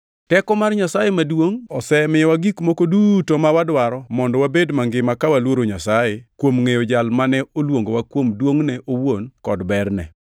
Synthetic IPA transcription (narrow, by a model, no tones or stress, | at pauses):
tɛkɔmarɲasajemadwoŋɔsɛmɪjwaɡikmokodutomawadwaɾɔmɔndɔwabedmaŋɡɪmakawalwoɾoɲasajekwomŋejod͡ʒalmanɛolwoŋɡowakwomdwoŋnɛʔowonkɔdbɛrnɛ̰